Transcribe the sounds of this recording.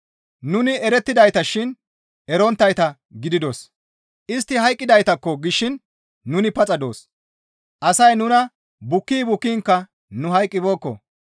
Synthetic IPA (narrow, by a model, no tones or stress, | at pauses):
nʊnɪɛɾɛt̪ːɪd̪ɐjt̪ɐʃɪn | ɛɾɔnt̪ːɐjt̪ɐ | ɡɪd̪ɪd̪os | ʔɪst̪ːɪɦɐjkʼːɪd̪ɐjt̪ɐkːɔɡɪʃːɪnː | ʊnɪpɐt͡sʼɐd̪o̞̰ːs | ʔɐsɐjnʊnɐ | bʊkːiːbʊkːiːŋkːɐ | nʊɦɐjkʼːɪbo̞ːkːɔ̰